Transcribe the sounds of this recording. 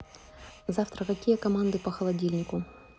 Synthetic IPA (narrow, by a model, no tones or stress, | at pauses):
zaft̪ɾəkɐkʲijəkɐmand̪ɨpɐxɐlˠɐdʲilʲnʲɪkʊ